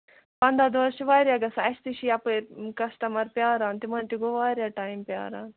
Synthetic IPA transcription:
pɐnd̪ad̪ʋɐɾʃʋaːɾʲjaːɡɐsɐʃt̪iʃiɐpəɾkɐsʈɐmɐɾpʲjaːɾaːnt̪imɐnt̪iɡoʋaːɾjaːʈaːjmpʲja̰ːɾa̰ːn

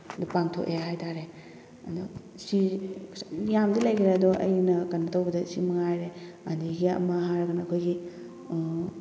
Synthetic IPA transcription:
dupaŋtʰo̰keɦajtʰaɾe | ɐ̰du | si | jamdilajɡiɾadɔʔɐ̰jnɐkanːɐtɐwbɐdɐsimɐŋajɾeandiɡiɐ̰mɐɦaɾɐɡɐnɐkʰojɡi

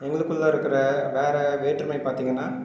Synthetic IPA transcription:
ɛŋɡɐɭɯkːɯɭːɐ̃ɪɾɯkːɪɾɐʋeːɾɛʋeːʈːrɾɐmɐɪpaːɾt̪iːŋɡɐnːaː

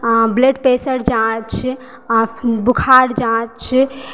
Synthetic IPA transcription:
bleɖpesəɾd͡ʒãt͡ʃʰ | bukʰaɽd͡ʒãt͡ʃʰ

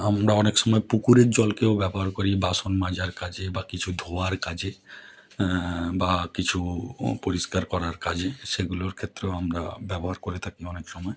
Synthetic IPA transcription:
amɾaɔnekʃɔmɔepukuɾeɾd͡ʑɔlkeoʊbɛboɦaɾkoɾibaʃonmad͡ʑaɾkad͡ʑebakit͡ɕʰud̪ʱoaɾkad͡ʑe | bakit͡ɕʰupoɾiskaɾkɔɾaɾkad͡ʑeʃeɡuloɾkʰet̪ːɾeoamɾa̰bɛboɦaɾkoɾet̪ʰakiɔnekʃɔmɔe

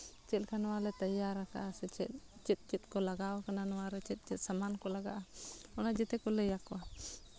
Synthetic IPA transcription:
t͡ʃɛlkʰanɔwalɛt̪ajaɾaka̰sɛt͡ʃɛt̚t͡ʃɛt̪̚ˀt͡ʃit̪̚kɔlaɡawkananɔwaɾɛt͡ʃɛt̪̚ˀt͡ʃɛt̪̚samankɔlaɡaʔaɔnad͡ʒɛt̪ɛkɔləjakɔwa

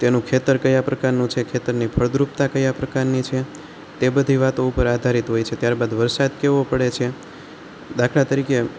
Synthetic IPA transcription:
t̪enũkʰet̪əɾkəjapɾəkaɾnũt͡ʃʰekʰet̪əɾnipʰəɭd̪ɾup̚t̪akəjapɾəkaɾnit͡ʃʰe | t̪ebəd̪ʱiʋat̪oupəɾad̪ʱaɾit̪ɦojt͡ʃʰet̪jaɾbad̪ʋəɾsad̪keʋopəɽet͡ʃʰe | d̪akʰɽat̪əɾike

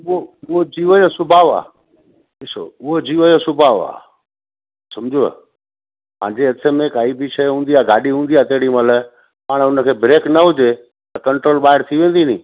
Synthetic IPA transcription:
ʊoʊɦod͡ʑiːʋəjosʊbʱaːʋa̰ː | ɗɪso̰ʊɦod͡ʑiːʋəjosʊbʱaːʋa̰ː | sɐmd͡ʑoə̰ | pã̰ːɲd͡ʑeɐsʰemẽkaːibiʃəɦũːn̆d̪iaːɡʱaːɗiɦũːn̆d̪iaːt̪eɦɪɽimələ | paːɽ̃ʊnə̆kʰeːbɾeːknɐɦʊd͡ʑe | t̪ɐkɐɳʈɾoːlɓaːɦɪɾt̪ʰiʋẽːn̆d̪inĩː

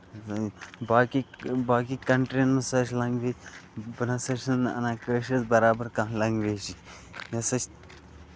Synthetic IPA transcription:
baːkibaːkikɐɳʈɾinmɐsɐʃlɐŋɡʋeːd͡ʒbɐnɐsɐʃʲɐnɐ̰nãːkəːʃɐzbɐɾaːbɐɾkãːɦlɐŋɡʋeːt͡ʃi | jɐsɐt͡ʃ

